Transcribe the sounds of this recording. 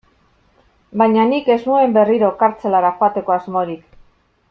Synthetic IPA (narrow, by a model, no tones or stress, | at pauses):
baɲanike̞znue̞mbe̞riɾo̞kaɾt͡se̞laɾaxoat̪e̞ko̞azmo̞ɾik